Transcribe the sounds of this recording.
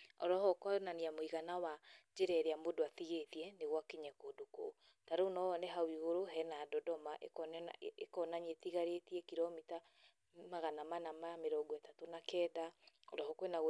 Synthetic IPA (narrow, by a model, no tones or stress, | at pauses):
ɔ̰ɾɔhɔkɔnaniamoiɣanawad͡ʒeɾɛɾeamodoaθiɣetiɛneɣwakeɲɛkoːdoko̰ | taɾonɔɔnɛɦawiɣoɾoɦɛnadɔdɔmaʔḛkɔn̰ekɔnaɲetiɣaɾetiɛkiɾɔmita | maɣanamanamameɾɔɡɔetatonakɛːdaɔɾɔhɔkwenaɣ